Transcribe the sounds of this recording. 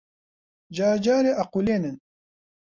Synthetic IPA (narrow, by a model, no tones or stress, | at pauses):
d͡ʒaːd͡ʒaːɾeʔɐquleːnen